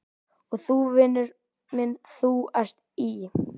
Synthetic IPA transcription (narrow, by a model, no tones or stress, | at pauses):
ɔɣθuvɪnːʏɾ | mɪnθuast̪ | i